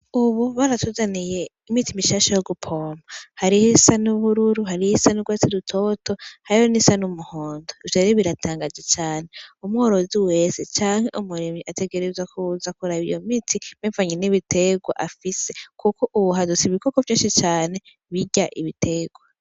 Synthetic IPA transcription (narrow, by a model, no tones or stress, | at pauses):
uβuβaɾatozanije̞imitimiʃaːʃajoɡupʰo̞ːmahaɾihisanuβuɾuɾuɦaɾihisanuɡwat͡sidutʰotʰo̞haɾihonisanumuhoːndoivaɾeβiɾatʰaːŋɡazet͡ʃaːne̞umŋoːɾo̞ziwe̞set͡ʃaːŋhe̞ʔumuɾimiʔate̞ɡe̞ɾezwakʰuzakuɾaβḭjo̞̰mitʰim̥eːɱvaɲeniβite̞ɡwa̰ʔafise̞kʰuko̞ʔuβuɦadut͡siβikoko̞vjiːnʃit͡ʃaːne̞ | βiɟaʔḭβitʰe̞ɡwa